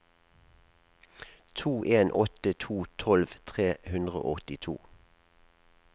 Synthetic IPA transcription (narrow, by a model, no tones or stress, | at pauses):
t̪ʰuːʔeːnʔɔt̪ət̪ʰuːt̪ʰɔlʋt̪ʰʁeːhʉnd̪ʁəo̰ːɔt̪ɪt̪ʰṵː